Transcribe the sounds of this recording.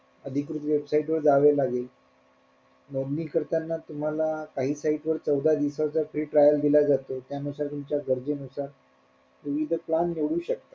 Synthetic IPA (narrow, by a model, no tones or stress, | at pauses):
əd̪ʱikɾut̪ʋebsaiʈʋəɾd͡zaʋelaɡel | nɔd̪niːkəɾt̪anːat̪um̤alakaɦiːsaiʈʋəɾt͡səwd̪ʱad̪isat͡safɾiːʈɾajəld̪ilad͡zat̪ot̪janusaɾt̪umt͡ɕjaɡəɾd͡zenusaɾ | ʋiʋid̪ʱəplanːeʋɭuːɕək̚t̪ḁ